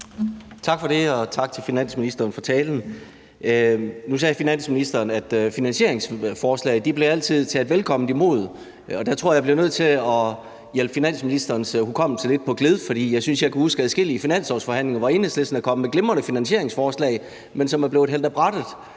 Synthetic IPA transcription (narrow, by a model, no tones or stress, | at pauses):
t͡sʰɑ̈ɡ̥fɒ̽ɾe̝ɒ̽t͡sʰɑ̈ɡ̥̚t͡sʰe̝lfinæn̰sminisd̥ɐːnfɒ̽t͡sʰɛːln̩ | nus̬ɛːfinæn̰sminisd̥ɐːnæd̥finænɕe̝̰ɐ̰e̝ŋsfɒːslɛ̰ɪd̥ib̥le̝æl̰t͡sʰið̞̰ˠt͡sʰed̥ʋelkʰɒ̽m̰n̩dimo̝̰ð̞̰ˠ | ɒ̽d̥æt͡sʰʁo̝ɐ̰jɑ̈ɪb̥le̝ʊnøð̞̰ˠt͡sʰe̝ɒ̽ | jelb̥əfinæn̰sminisd̥ɐːnshukʰɒ̽m̰t͡sʰele̝d̥̚pʰɒ̽ɡ̥le̝ð̞ˠfɒɾ̥ḭːjɑ̈ɪsynsjɑɪkʰuhusɡ̥æð̩ˠsɡ̥el̰ifinæn̰sɒsfɒ̽ɦæn̰le̝ŋɐʋɑ̈e̝ːnhesle̝sd̥n̩ækʰɒ̽məmeɡ̥lemʁɐnəfinænɕe̝ɐe̝ŋsfɒːslɛ̰ɪ | mensɒ̽mæɐble̝ʊ̥ɦel̰d̥æb̥ʁɑd̥ð̩ˠ